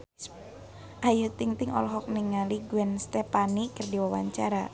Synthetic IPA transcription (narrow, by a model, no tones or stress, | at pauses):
ʔajut̪iŋt̪ɪŋɔ̰lɔɦɔk̚niŋaliɡuɛnst̪ɛpanikərdiwawa̰ɲt͡ʃaɾa